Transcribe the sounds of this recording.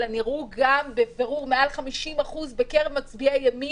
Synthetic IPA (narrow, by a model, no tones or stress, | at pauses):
laniʁuɡambeveʁuʁmeʔalχamiʃimaχuzbekeʁevmat͡sbiajami